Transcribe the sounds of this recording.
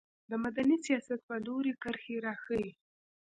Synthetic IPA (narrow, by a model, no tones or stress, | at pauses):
d̪əmad̪anisijɑsat̪̚pəloɾekəɾxeɾɑxəi